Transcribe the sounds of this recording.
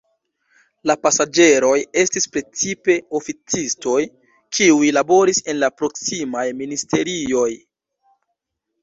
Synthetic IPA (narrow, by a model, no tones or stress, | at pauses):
lapasad͡ʒe̞ɾo̞je̞stispɾe̞t͡sipe̞o̞fit͡sisto̞j | kʰiujlabo̞ɾise̞nlapɾo̞ksimajministʰe̞ɾio̞j